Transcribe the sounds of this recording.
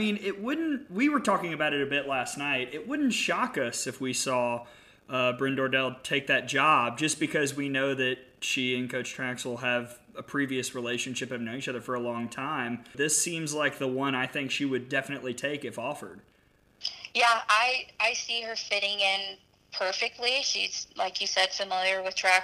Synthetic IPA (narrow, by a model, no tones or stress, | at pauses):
mĩnɪt̚wʊdⁿn̩twiwə˞tʰɔkɪ̃ŋɨbaʊɾɨɾɨbɪtˡlæstⁿnaɪɾɪt̚wʊdⁿn̩tʃɑkʌsɨfwisɔ | ʌbɹɪ̃ndɔɹdɛlˠtʰeɪk̚ðɨt̚d̥ʒ̥ɑb̚d͡ʒʌsb̥ɨkʰʌzwinoʊðɨt̚ʃiɨ̃nkʰoʊt͡ʃtʰɹ̥ækswlˠəv | əpʰɹ̥iviɨsɹileɪʃɨ̃n̩ʃɪpʌvnoʊ̃it͡ʃʰʌðə˞fə˞əlɔ̃ŋtʰãɪ̃mðɪsĩmzlaɪk̚ðəwʌ̃ñaɪθɪ̃ŋkʃiwɨdɛfənɨʔˡlitʰeɪkɨfɔfə˞d̥ | jæʔaɪaɪsiə˞fɪɾɪ̃ŋɪ̃n | pʰɜ˞fɨk̚tˡliʃiz̥laɪkjɨsɛd̥fɨmɪlˠjə˞wɨð̥tʰɹ̥æ